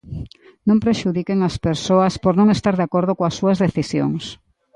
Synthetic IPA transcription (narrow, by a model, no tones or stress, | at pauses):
nõmpɾeʃuðikeŋɐspeɾsoɐspoɾnõŋest̪aɾðakoɾð̞ʊkoɐsːuɐzðeθisjo̰ŋs